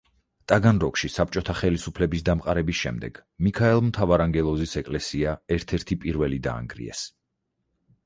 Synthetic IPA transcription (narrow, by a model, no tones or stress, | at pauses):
t̪ʼaɡanɾɔkʰʃisap̚t͡ʃʼɔt̪ʰaχɛlisupʰlɛbisd̪amqʼaɾɛbisʃɛ̰md̪ɛ̰ɡ̥mikʰaɛlˠmt̪ʰavaɾaŋɡɛlˠɔzisɛkʼlɛsiaɛɾt̪ʰɛɾt̪ʰipʼiɾvɛlid̪a̰ːŋɡɾḭɛ̰s